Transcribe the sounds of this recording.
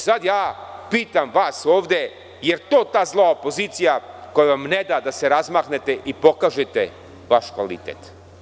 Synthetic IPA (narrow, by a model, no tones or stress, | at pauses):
sad̪jaːpiːt̪amʋaːsoːʋd̪e̞ | je̞ɾt̪oːt̪aːzlˠoaopo̞ziːt̪sijakojaʋamned̪ad̪aseɾazmaːkne̞t̪e̞ʔipo̞kaːʒet̪e | ʋaʃkʋa̰lḭt̪ḛt̪